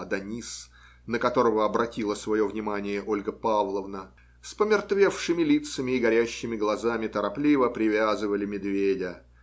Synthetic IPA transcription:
ɐd̪ɐnʲis | nəkɐt̪o̞ɾəvəɐbɾɐtʲilˠəsvɐjo̞vnʲɪmanʲɪjəʔo̞lʲɡəpavlˠəvnə | spəmʲɪrt̪vʲe̞fʂɨmʲɪlʲit̪səmʲɪːɡɐɾʲæɕːɪmʲɪɡlˠɐzamʲɪt̪əɾɐplʲivəpɾʲɪvʲazɨvəlʲɪmʲɪd̪vʲedʲə

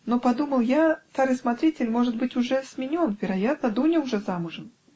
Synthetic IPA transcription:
nopɐd̪uməlˠjat̪aɾɨsmat̪ɾʲitʲɪlʲmo̞ʐɨt̪̚bɨtʲʊʐɛsmʲɪnʲo̞nvʲɪɾɐjat̪̚nəd̪unʲɪʊʐɛzamʊʐɨn

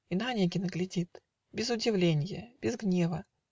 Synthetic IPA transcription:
inanʲeɡʲɪnəɡlʲɪdʲit̪ | bʲɪzʊdʲɪvlʲenʲɪjəb̥ʲɪzɡnʲevə

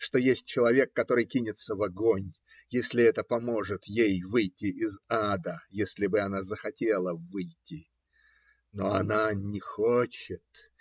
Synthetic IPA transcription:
ʂt̪o̞jesʲt̚ʲt͡ɕɪlˠɐvʲe̞kːɐt̪o̞ɾɨjkʲinʲɪt̪səvɐɡo̞nʲ | jesʲlʲɪɛt̪əpɐmo̞ʐɨt̪jejvɨjtʲːɪʔɪzad̪əjesʲlʲɪbɨɐnazəxɐtʲelˠəvɨjtʲːɪ | no̞ɐnanʲɪxot͡ɕɪt̪

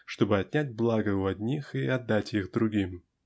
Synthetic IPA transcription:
ʂt̪o̞bɨɐtʲnʲæt̚ʲblˠaɡəʊɐd̪ʲnʲixiɐd̪ːatʲixd̪ɾʊɡʲim

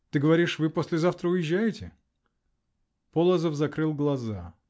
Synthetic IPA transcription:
t̪ɨɡəvɐɾʲiʂvɨposʲlʲɪzaft̪ɾəʊjɪʑːæjɪtʲɪ | polˠəzəfzɐkɾɨlˠɡlˠɐza

